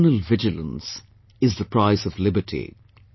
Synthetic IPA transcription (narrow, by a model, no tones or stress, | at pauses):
nəlvɪd͡ʒɨlə̰̃ns | ɪzðəpɹaɪzʌvlɪbəʈʰḭ